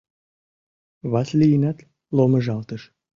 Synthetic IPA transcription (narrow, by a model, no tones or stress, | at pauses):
βɑslijinæt̪ | lomə̆ʒɑlt̪əʃ